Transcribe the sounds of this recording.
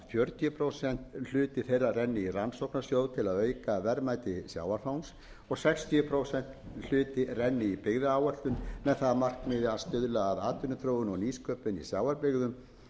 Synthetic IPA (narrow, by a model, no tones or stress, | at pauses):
fjœɾt̪ʰjʏpʰɾowsɛn̥t̪l̥ʏːt̪ɪθejrːarɛnːɪiransowknasjoːwðt̪ʰɪlaðœːɥkavɛɾmaːjt̪ɪsja̰ːwaɾfawns | ɔɣsɛkst̪ʰiʏpʰɾoːwsɛn̥t̪l̥ʏːt̪ɪrɛnːɪipɪɣðɪaːwɛr̥t̪ʏnmɛðθaðamar̥kmɪðɪast̪ʏðlaːðaːt̪ʏnʏθɾoːwɪnɔɣniːskʰœːpɪnḭsjaːwaɾpɪɣðʏm